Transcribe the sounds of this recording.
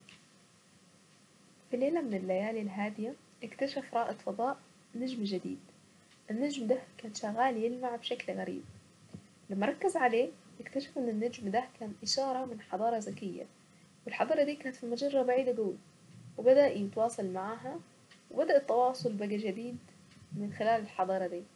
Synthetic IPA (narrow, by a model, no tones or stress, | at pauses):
fileːlamɪnɪlːajaːlilɦaːd̪ɪja | ʔɪkt̪aʃafɾˤɑːʔɪd̪fɑd̪ˤɑːʔ | nad͡ʒmʒɪd̪ḭːd̪ | ʔɪnːad͡ʒmd̪ahkaːnʃaɣaːljɪlmaʕbʃaklɣaɾḭːb̚ | lamːɑɾˤɑkːazʕaleːʔɪkt̪aʃafʔɪnːɪnːad͡ʒmd̪akaːnʔɪʃɑːɾˤɑmɪnħɑd̪ˤɑːɾˤɑzakɪjːa̰ | wɪlħɑd̪ˤɑːɾˤɑd̪iːkaːnat̪fimad͡ʒɑrˤːɑbaʕiːd̪aɡaː | wɪbad̪aʔjɪt̪wɑːsˤɑlmaʕaːɦa | wɪbad̪aʔɪt̪ːɑwɑːsˤʊlbaɡaʒɪd̪iːd̪ | mɪnxɪlaːlɪlħɑd̪ˤɑːɾˤɑd̪iː